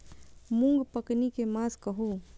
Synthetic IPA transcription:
mʊ̃ŋɡpɐknikemaːskɐɦoː

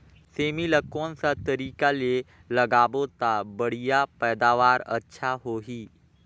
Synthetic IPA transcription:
seːmilɐkːõnsat̪əɾiːkale | lɐɡaːbot̪abɐɽijapɛːd̪aːʋaːɾɐ̰tːʃʰaɦoːɦiː

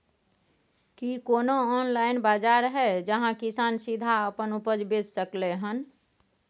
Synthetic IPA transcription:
kikoːnoɔːnlaːɪnbaːd͡ʒaːɾɦɛd͡ʒəɦãkisaːnsɪd̪ʱaəpənupəd͡ʒbessəkleɦən

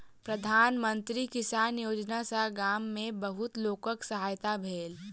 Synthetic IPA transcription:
pɾɐd̪ʱaːnmə̃nt̪ɾikɪsaːnjoːd͡ʒnasaɡaːmːẽbɐɦʊt̪loːkəksɐɦaːjt̪abʱeːl

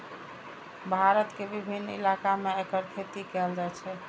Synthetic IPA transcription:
bʱaɾət̪kebibʱinːḭlakameekəɾkʰet̪ikɛld͡ʒaɛt͡ʃʰɛ

